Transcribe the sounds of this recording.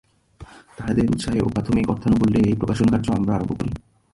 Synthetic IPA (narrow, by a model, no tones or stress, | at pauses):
t̪aɦad̪eɾṵt̪ʃaɦeʔo̰pɾat̪ʰomikɔɾt̪ʰanobolːeejpɾokaʃonkaɾd͡ʑoamɾaaɾoboko̰ɾḭ